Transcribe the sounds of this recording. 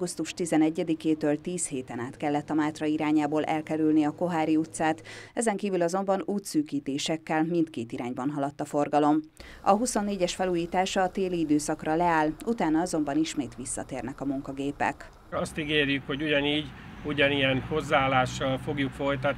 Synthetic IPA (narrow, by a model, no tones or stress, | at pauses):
ɡust̪uʃt̪izɛnɛɟːɛd̪ikeːt̪øːlt̪iːsheːt̪ɛnaːt̪kɛlːɛt̪ːɒmaːt̪rɒiɾaːɲaːboːlʔɛ̰lkɛɾylniɒko̞ɦaːɾiut̪saːt̪ɛzɛŋkiːvylɒzo̞mbɒnuːt̪syːkiːt̪eːʃɛkːɛlmint̪keːt̪iɾaːɲbɒnɦɒlɒt̪ːɒfo̞rɡɒlo̞m | ɒ̰ɦuso̞nːeːɟɛʃfɛluːjiːt̪aːʃɒːt̪eːliid̪øːsɒkrɒlɛaːlut̪aːnɒɒzo̞mbɒniʃmeːt̪ʋisːɒ̰t̪eːrnɛkɒmuŋkɒɡeːpɛ̰k | ɒst̪iɡeːrjykho̞ɟuɟɒniːɟuɟɒnijɛnho̞zːaːlːaːʃːɒlfo̞ɡjukfo̞jt̪ɒt̪